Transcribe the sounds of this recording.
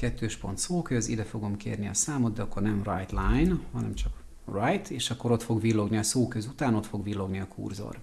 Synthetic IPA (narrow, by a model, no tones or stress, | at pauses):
kɛt̪ːøːʃpo̞̰nt̪soːkøzḭd̪ɛfo̞ɡo̞mkḛːrniɒ̰saːmo̞d̪d̪ɛɒkːo̞rnɛmrɒjt̪lajnhɒnɛmt͡ʃɒk | rɒjt̪eːʃɒkːo̞ɾo̞t̪fo̞ɡvilːo̞ɡniɒsoːkøzut̪aːno̞t̪fo̞ɡʋilːo̞ɡniɒkʰṵːrzo̰r